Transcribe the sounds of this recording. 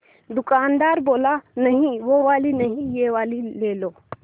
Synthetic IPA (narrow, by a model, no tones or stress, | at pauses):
d̪ʊkaːnd̪aːɾboːlanɐɦĩʋoʋaːlinɐɦĩjeʋaːlileːloː